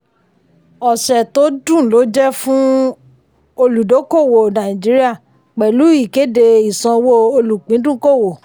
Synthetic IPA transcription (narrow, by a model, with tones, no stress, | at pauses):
ɔ˨ʃɛ˨to˦dũ˦˨lo˨˦d͡ʒɛ˦fũ˦ | o˧lu˨do˨˦ko˦˨wo˨nã˨ĩ˨d͡ʒi˨˦ɾi˦a˦˨ | k͡pɛ˨lu˨˦i˦˨ke˨˦de˧i˨sã˧wo˦o˧lu˨k͡pĩ˨˦dũ˦ko˦˨wo˨